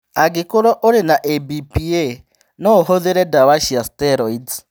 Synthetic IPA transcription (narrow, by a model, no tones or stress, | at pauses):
aɡikuɾɔʔoɾinaʔebipie | nɔhoðeɾɛdawaʃiastɛɾɔid